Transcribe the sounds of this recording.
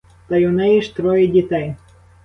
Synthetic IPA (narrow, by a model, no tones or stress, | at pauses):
t̪ɐjʊnɛjiʃt̪ɾɔjɪdʲit̪ɛj